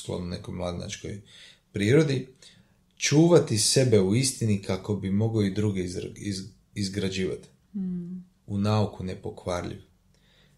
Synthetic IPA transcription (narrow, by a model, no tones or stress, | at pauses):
sk̪lo̰nune̞̰kojmlˠad̪ina̰t͡ʃko̰j | pɾiːɾo̞d̪i | t͡ʃuːʋat̪ise̞be̞uist̪inikʰako̞bimo̞ɡoid̪ɾuɡe | izɡɾad͡ʒiːʋa̰t̪i̥ | unaukune̞po̞kʋaːɾʎḭʋ